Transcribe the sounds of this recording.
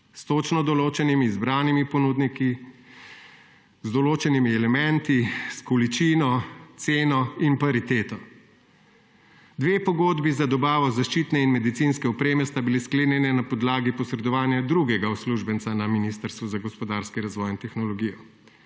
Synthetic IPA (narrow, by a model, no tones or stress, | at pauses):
st̪ot͡ʃnɔd̪ɔloːt͡ʃɛnimiːzbɾaːnimipɔnuːd̪niki | zd̪ɔloːt͡ʃɛnimiɛlɛmɛnt̪iskɔlit͡ʃiːnɔt̪seːnɔinpaɾit̪eːt̪ɔ | d̪ʋeːpɔɡoːd̪bizad̪ɔbaːʋɔzaʃt͡ʃit̪nɛinmɛd̪it̪sinskɛɔpɾeːmɛst̪abileskleːnjɛnɛnapɔd̪laːɡipɔsɾɛd̪ɔʋaːnjad̪ɾuɡɛɡausluʒbənt̪sanaminiːst̪əɾst̪ʋuzaɡɔspɔd̪aɾskiɾazʋɔjint̪ɛxnɔlɔɡijɔ